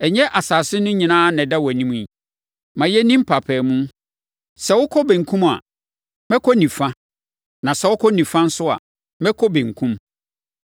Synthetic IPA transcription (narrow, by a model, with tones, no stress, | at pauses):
ɛ˨ɲɛ̃˦ʔa˨saː˨sɪ˦nʊ̃˦ɲĩ˨nãː˦nɛ̃˨dɛ˦wæ˨nĩ˦mũ˦i˨ | mã˨jɛ˦nĩ˦m̩˦pʰa˨pʰɛː˨mũ˦ | sɛ˨wʊ˦kʰɔ˦bɛ̃˨ŋ̩˨kʰũ˦ma̰˨ | mɛ̃˦kʰɔ˦nĩ˨fã˦ | nã˨sɛ˨˦wʊ˦kʰɔ˦nĩ˨fã˦n̩˦sʊ˦a̰˨ | mɛ̃˦kʰɔ˦bẽ˨ŋ̩˨kʰũ˦m